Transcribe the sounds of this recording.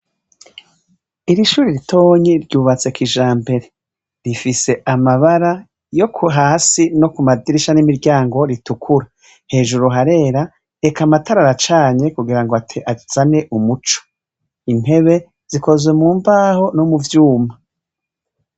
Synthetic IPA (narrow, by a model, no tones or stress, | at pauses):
iɾiʃuːɾiɾitʰo̞ːɲiɾɟuːβat͡se̞kiʒaːmbe̞ɾe̞ | ɾifise̞ʔamaβaɾa | jo̞kʰuɦaːsino̞kumadiɾiʃanimiɾɟaːŋɡo̞ɾitukʰuɾa | he̞ːʒuɾuɦaɾe̞ːɾa | ekamatʰaɾaɾat͡ʃaːɲe̞kuɡiɾaŋɡoatʰiʔaz̥ane̞ʔumut͡ʃo̥ | in̥e̞βe̞ | z̥iko̞zwemuːmbaːho̞nomuvjuːma